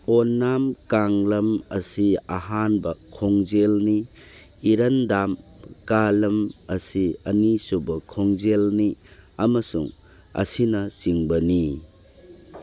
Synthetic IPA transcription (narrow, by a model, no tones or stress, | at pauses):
onːamkaŋlɐmɐsiaɦanbɐkʰoŋzelniː | ɾɐndamkalɐmɐsiɐnisubɐkʰoŋzelniɐmɐsuŋ | ɐ̰sinɐsiŋbɐni